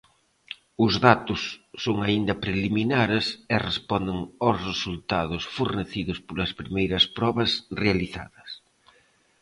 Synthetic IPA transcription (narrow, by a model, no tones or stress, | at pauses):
ʊzðat̪ʊsːoŋaind̪ɐpɾeliminaɾɪsɛrespɔnd̪ɪŋawsresult̪aðʊsfoɾneθiðʊspolɐspɾimejɾɐspɾɔβɐsrealiθa̰ðɐs